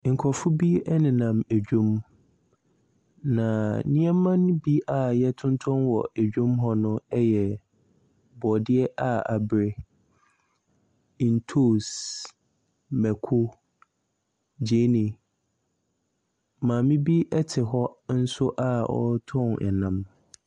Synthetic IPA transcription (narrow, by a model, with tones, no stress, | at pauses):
ŋ̩˨kʰɔ˨fʊ˦bi˦ɛ˦nɪ̃˨nã˨mæ˨d͡ʑᶣũ˦m | nã˨nɪ̃˦ɛ˦mã˦ñ˦bi˦ʔa˨jɛ˦tʰʊ̃˦n˦tʰɔ̃˦nwɔ̰˨ʔæ˨d͡ʑᶣũ˦mɦɔ˦nʊ̃˦ɛ˦jɛ˨ | bɔ˨dɪ˦ɛ˦ʔa˨a˨bɾɪ˦˨ | n̩˨tʰo˦˨s | mɛ˨kʰʊ˦ | d͡ʑe˦nĩ˨ | mãː˨mɪ̃˦bi˦ʔɛ˦tʰɪ˨ɦɔ˦n̩˦sʊ˦ʔa˦ɔ̰˦tʰɔ̃˦˨nɛ̰˨nã˨m